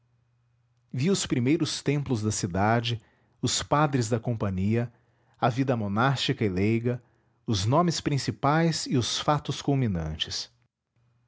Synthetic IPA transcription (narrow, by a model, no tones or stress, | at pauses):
viʊspɾimejɾʊst̪ẽmplʊzd̪ɐsid̪ad͡ʒɪ | ʊspad̪ɾɪzd̪ɐkõpɐ̃ɲiɐ | ɐvid̪ɐmonast͡ʃikɐɪlejɡɐ | ʊznõmɪspɾĩsipajzɪʊsfat̪ʊskulmĩnɐ̰̃t͡ʃɪs